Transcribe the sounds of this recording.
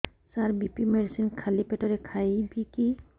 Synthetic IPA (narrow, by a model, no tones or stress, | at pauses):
saɾbipimeɖsinkʰalipeʈɔɾekʰajbiki